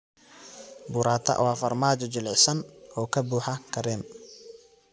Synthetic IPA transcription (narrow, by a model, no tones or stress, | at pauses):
bʊːɾaːt̪ʰɐ̰wɑːfɐrmaːt͡ʃɔt͡ʃɪlɪsɐnɔːkʰɐbuːħɐkʰɐɾɛːm